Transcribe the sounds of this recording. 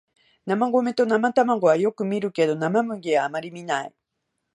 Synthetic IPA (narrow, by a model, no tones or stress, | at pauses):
namaɡo̞me̞t̪o̞namat̪amaɡo̞βajo̞kɯ̟mʲiɾɯ̟ke̞d̪o̞namamɯ̟ɡeβaːmaɾʲimʲinai